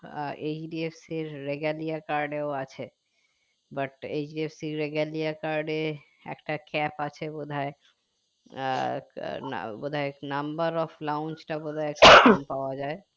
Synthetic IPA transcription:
ed͡ʑɖiefsiɾːeɡalijakaɾɖeoat͡ɕʰe | bɐʈed͡ʑɖiefsiɾeɡaliakaɾɖe | ɛ̰kʈakɛpat͡ɕʰebod̪ʱae | bod̪ʱaenɐmbəɾɔflawnt͡ʃʈabod̪ʱaeeksanpaoad͡ʑae

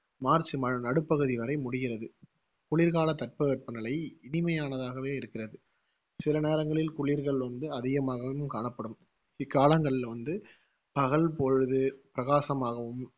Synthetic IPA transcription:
maːɾt͡ʃɯmɐɻnɐɽɯpːɐɣɯðiʋɐɾɐɪmʊɽɪɣɪrɐðɯ | kʊɭɪːɾɣaːlɐt̪ːɐʈ̚pɐʋɛʈ̚pɯnɪlɐɪɪnɪmɐjaːnɐðaːɣɐʋeːɪɾɯkːɪrɐðɯ | sɪlɐneːɾɐŋɡɐɭɪlkʊɭiːɾɣɐɭʋɐnd̪ɯɐðɪɣɐmaːɣɐʋɐʋɯmkaːɳɐpːɐɽɯm | ɪkːaːlɐŋɡɐɭɪlʋɐnd̪ɯ | pɐɣɐɭpɔɻɯðɯpɪɾɐɣaːsɐmaːɣɐʋɯm

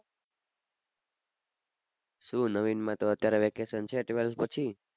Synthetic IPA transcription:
sũnəʋinmãt̪oət̪jaɾeʋekesənt͡ʃʰeʈʋelspət͡ʃʰi

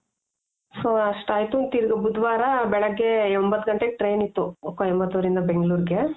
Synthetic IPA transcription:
soːɐʂʈaːjit̪ut̪iɾɡɐbud̪ʋaːɾɐbɛɭɐɡːeombɐt̪ːuɡɐɳʈeɡʈɾeːnit̪ːuokːoembɐt̪ːɐʋɾind̪ɐbeŋɡɐɭuːɾɡe

